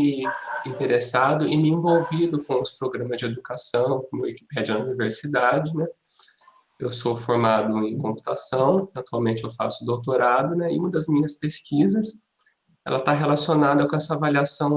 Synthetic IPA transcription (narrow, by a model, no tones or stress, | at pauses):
ɪĩnt̪eɾesad̪ʊɪmɪẽvowvid̪ʊkõʊspɾoɡɾɐ̃mɐzd͡ʒɪed̪ukasɐ̃w̃kõmʊ̰iki̥pɛd͡ʒʊɐuniveɾsid̪ad͡ʒɪnɛ | ewsofoɾmad̪ʊẽkõpu̥t̪asɐ̃w̃at̪uawmẽnt͡ʃɪewfa̰sʊd̪owt̪oɾad̪ʊnɛɪ̰ũmɐd̪ɐzmĩɲɐspeskizɐs | ɛ̰lɐt̪aɦelasionad̪ɐkõɛsɐavaliasɐ̃w̃